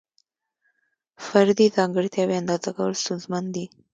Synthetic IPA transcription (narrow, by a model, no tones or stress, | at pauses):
faɾd̪izɑŋɡəɾt̪jɑweand̪ɑzakawəlst̪unzmand̪i